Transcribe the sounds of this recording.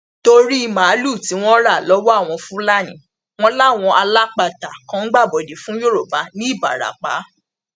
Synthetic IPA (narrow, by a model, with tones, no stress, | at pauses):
to˧ɾi˦i˧mã˨˦lu˦˨ti˨˦w̃ɔ̃˦ɾa˦˨lɔ˨˦wɔ˦a˦˨w̃ɔ̃˧fũ˦la˦˨nḭ̃˨ | w̃ɔ̃˦la˦˨w̃ɔ̃˧ʔa˧la˦k͡pa˨ta˨kã˨˦ŋ̩˦ɡ͡ba˦˨bɔ˨de˨fũ˨˦jo˦ɾo˨ba˨˦nĩ˦i˦˨ba̰˨ɾa̰˨k͡pa̰˨˦